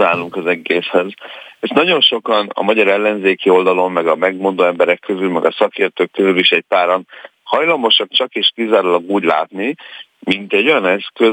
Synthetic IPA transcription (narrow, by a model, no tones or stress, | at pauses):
aːluŋkɒzɛɡeːshɛzeʃnɒɟo̞nʃo̞kɒnɒ̰mɒɟɒɾɛlːɛnzeːkio̞ld̪ɒlo̞mːɛɡɒmɛɡmo̞nd̪oːɛmbɛɾɛkːøzylmɛɡɒsɒkeːrt̪øːkːøzyliʃɛc̚paːɾon | hɒjlɒmo̞ʃɒk̚t͡ʃɒkeːʃkizaːɾulɒɡuːɟla̰ːt̪ni | mint̪ɛɟːo̞jɒnɛskø